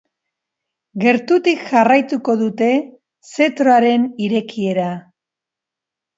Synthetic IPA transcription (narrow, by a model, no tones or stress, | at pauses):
ɡe̞ɾt̪ut̪ikʝarajt̪uko̞ðut̪e̞ | se̞t̪ɾo̞aɾe̞niɾe̞kie̞ɾa